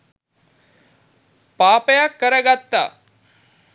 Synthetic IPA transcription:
paːpəjakːəɾəɡat̪ːa̰ː

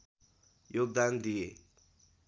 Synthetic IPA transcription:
jok̚d̪and̪ie

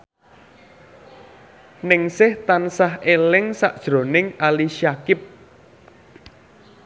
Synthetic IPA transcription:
nɪŋsɪht̪ansaɦelɪŋsaʔd̥ʒ̥ɾo̤nɪŋaliʃiakɪp̚

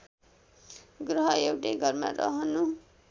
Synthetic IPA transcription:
ɡrʌɦʌewʈeɡʌrma̰ɾʌ̰ɦʌnu

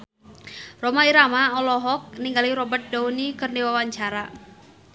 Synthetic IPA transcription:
romaiɾamaɔlɔɦɔk̚niŋɡaliɾɔbərt̪̚daunikɨrndiwawaɲt͡ʃaɾa

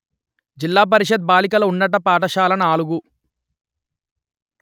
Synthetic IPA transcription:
d͡ʒilːaːp̬ɐɾiʂɐd̪̚baːlikɐlɐunːɐʈɐpaːʈɐʃaːlɐnaːɭuɡu

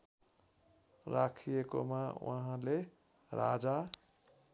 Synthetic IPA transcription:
rakʰijeko̰mawa̰ɦãle | ɾʔa̰d͡za

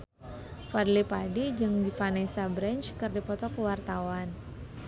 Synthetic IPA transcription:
fadlipadid͡ʒɨŋdifanɛsabɾɛnt͡ʃkɨrdipɔt̪ɔkəwart̪awan

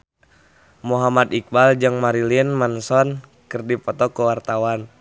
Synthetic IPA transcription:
muɦamad̪ik̚bald͡ʒɨŋmaɾilinmansɔnkɨrdipɔt̪ɔkuwart̪awan

